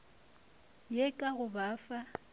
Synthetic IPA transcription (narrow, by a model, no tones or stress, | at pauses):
jekʼaɣʊbaːfa